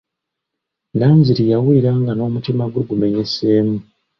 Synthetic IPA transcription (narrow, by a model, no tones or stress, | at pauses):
naːɲziɾijawuiɾaːŋɡano̞ːmutimaɡweɡume̞ɲe̞se̞ːmu